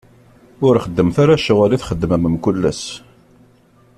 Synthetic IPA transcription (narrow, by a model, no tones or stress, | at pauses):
ʊɾχəd̪ːəmθaɾaʃuʁæliθχəd̪ːməməmkʊlːæ̰s